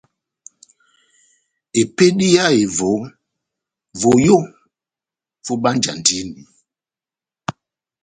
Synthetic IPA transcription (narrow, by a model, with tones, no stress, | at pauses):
e˨pe˦ɗi˦ja˦e˨vo˨˦ | vo˨jo˦˨ | fo˦ɓa˦n˦d͡ʒa̰˨ndi˦ni˨